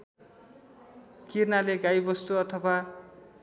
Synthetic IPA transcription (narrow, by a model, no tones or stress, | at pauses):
kirnaleɡajbʌst̪uʌt̪ʰʌba